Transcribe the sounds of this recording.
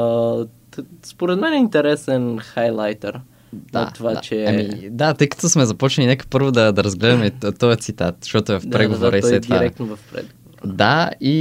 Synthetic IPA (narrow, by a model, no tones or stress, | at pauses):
spoɾɛd̪mɛnɛint̪ɛɾɛsɛnxajlˠajt̪ɛɾ | nɐ̰t̪ovat͡ʃɛamid̪at̪ɤjkə̥t̪osmɛzɐpɔt͡ʃnlʲinɛkə̥pɤɾvod̪ɐd̪ɐɾɐzɡlɛd̪ɐmɛt̪ɔjət̪sit̪at̪̚ʃt̪ɔt̪ʊɛvɐfpɾɛɡovoɾəisslɛviaɾɛk̚t̪novɐfpɾɛ̰ɡood̪ai